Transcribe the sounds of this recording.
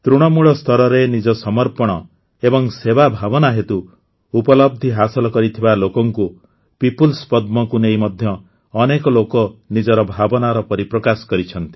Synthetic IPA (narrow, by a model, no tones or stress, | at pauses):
t̪ɾuɽ̃ɔmuɭɔst̪ʰɔɾɔɾenid͡ʒɔsɔmɔɾpɔɽ̃ɔ | ebɔŋsebabʱabɔnaɦet̪uː | pɔlɔb̚d̪ʱiɦasɔlɔkɔɾit̪ʰibalokɔŋku | pipulspɔd̪̚mɔkunejmɔd̪ʱjɔː | nekɔlokɔnid͡ʒɔɾɔbʱabɔnaɾɔpɔɾipɾɔkasɔ̥kɔɾit͡ʃʰɔnt̪i̥